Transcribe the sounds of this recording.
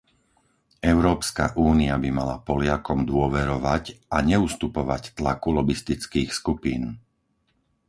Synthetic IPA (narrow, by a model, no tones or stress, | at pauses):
ɛʊɾɔːpska̰ʔuːniabimala̰pɔlɪakɔmd̪ʊɔʋɛɾɔʋacaɲɛust̪upɔʋa̰ct̪lakulɔbist̪it͡skiːxskupiːn